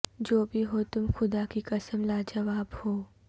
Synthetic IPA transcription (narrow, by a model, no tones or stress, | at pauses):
d͡ʒoːbʱiɦoːt̪ʊmxʊd̪akikɐsəmlad͡ʒɐʋaːbhoː